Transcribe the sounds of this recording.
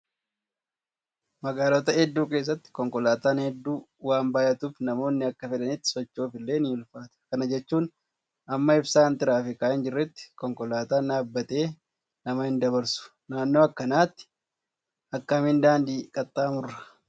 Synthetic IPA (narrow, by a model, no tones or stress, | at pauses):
mɐɡaːlɔt̪ɐɛd̪ːuːkeːs̬ːɐt̪ːɪ̥kɔŋkɔlaːt̪aːnhɛd̪ːuː | waːmbaːjɐt̪uːfnɐmo̞ːnːɪɐkːɐfɛᶑɐnɪt̪ːɪ̥sɔt͡ʃːo̞ːfɪlːe̞ːnɪːʊlfaːt̪ʊ̥kɐnɐd͡ʒɛt͡ʃːuːn | ɐmːɐɪbsaːnt̪ɪɾaːfɪkaːʔɛnd͡ʒɪrːɛt̪ːɪ̥kɔŋkɔlaːt̪aːnaːbːɐt̪e̞ː | nɐmɐhɪnd̪ɐβɐɾsʊ̥ | naːnːo̞ːɐkːɐnaːt̪ːɪ̥ | ɐkːɐmɪnd̪aːnd̪iːkʼɐt̪ʼːaːmʊrːɐ̥